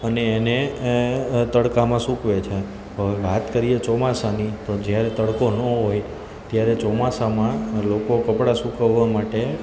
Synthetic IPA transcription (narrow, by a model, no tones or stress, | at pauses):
əneːne | t̪əɽkamãsukʋet͡ʃʰe | əeʋat̪kəɾijet͡ʃɔmasanit̪od͡ʒjaɾet̪əɽkonəɦoj | t̪jaɾet͡ʃɔmasamãlokokəpɽasukəʋːamaʈe